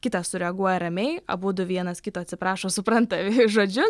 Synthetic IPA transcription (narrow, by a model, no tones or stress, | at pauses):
kʲɪt̪ɐssʊɾʲɛɐɡuɔjɛɾɐmʲɛɪɐ̰buːd̪ʊʋʲiɛnɐskʲɪt̪oːɐt̪ʲsʲɪpɾɑːʃoːsʊpɾɐnt̪ɐʒoːd͡ʒʲʊ